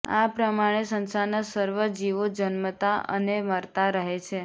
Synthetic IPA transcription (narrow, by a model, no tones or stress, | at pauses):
a̰pɾəmaɽ̃esənsanasəɾʋəd͡ʒiʋod͡ʒənmət̪aə̰neməɾt̪aɾəɦet͡ʃʰe